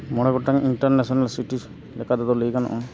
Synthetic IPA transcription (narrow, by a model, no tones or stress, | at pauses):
mɔɽ̃ɛɡɔʈaŋiɳʈaɾnɛsɔnalsiʈi | lɛkad̪ɔd̪ɔləjɡanɔ̰ʔɔ